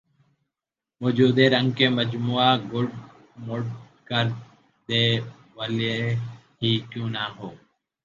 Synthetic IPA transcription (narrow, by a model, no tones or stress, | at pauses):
moːd͡ʒuːd̪eːɾəŋɡkeːməd͡ʒmuːaːɡʊɖ | mʊɖ | kəɾ | d̪eː | ʋəːle | ɦiːkjũːnaːɦoː